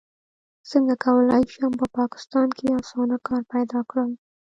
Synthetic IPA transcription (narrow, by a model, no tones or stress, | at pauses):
səŋɡakawəlɑjʃehampəpɑkɪ̥st̪ɑnkʰeɑsɑnakɑɾpajd̪ɑkɽəl